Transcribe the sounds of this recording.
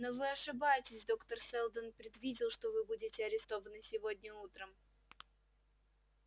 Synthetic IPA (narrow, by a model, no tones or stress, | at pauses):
no̞vɨɐʂɨbajɪtʲɪsʲd̪o̞kt̪ərsɛlˠd̪ənpɾʲɪd̪vʲidʲɪlˠʂt̪o̞vɨbudʲɪtʲɪɐɾʲɪst̪o̞vənɨsʲɪvo̞dʲnʲəut̪ɾəm